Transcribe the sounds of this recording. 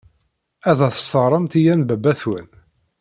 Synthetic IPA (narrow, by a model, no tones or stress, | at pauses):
æðæθə̥st̪əɾˤəmt̪ijænbæbːæθwən